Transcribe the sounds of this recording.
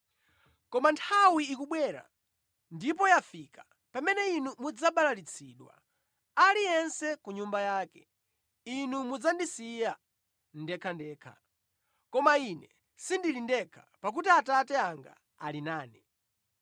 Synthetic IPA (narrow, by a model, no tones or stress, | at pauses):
kɔmantʰawiːkuɓwɛɾa̰ | ndipɔjafikḁ | pamɛnɛinumud͡zaɓalalit͡sʰiɗwa̰ | alijɛnsɛkuɲumbajaːkɛ | inumud͡zandisija | ndɛkʰandɛːkʰa̰ | kɔmainɛ | sindilindɛkʰḁpak̬utiatatɛaŋɡa̰ | alinaːni